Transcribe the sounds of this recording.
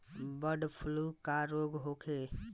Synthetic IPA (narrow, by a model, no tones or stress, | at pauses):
bəɖpʰulukaɾoɡɦokʰe